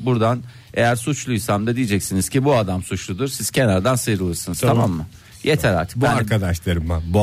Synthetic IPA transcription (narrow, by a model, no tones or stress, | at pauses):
buɾd̪an | e̞jæɾsut͡ʃlˠujsamd̪ad̪ijid͡ʒɛcsiniz̥cibuad̪amsut͡ʃlˠud̪uɾsiz̥cʰenaɾd̪ansɯjɾɯlˠɯɾsɯnɯz̥t̪ʰamamːɯ | jet̪ʰæɾa̰ɾt̪ʰbaaɾkʰad̪aʃlˠaɾɯmːabu